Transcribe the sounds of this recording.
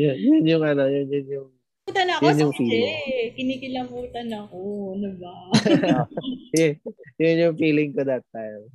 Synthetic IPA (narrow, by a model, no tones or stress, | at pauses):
jʊnjʊnjʊŋʔɐno̞jʊnjʊnjʊŋ | uːt̪ɐnɐɐjʊnjʊŋfiːlɪŋkɪnikɪlɐbuːt̪ɐnɐkonʊbaojʊjʊnjʊŋfiːlɪŋkod̪ɐt̪ːajm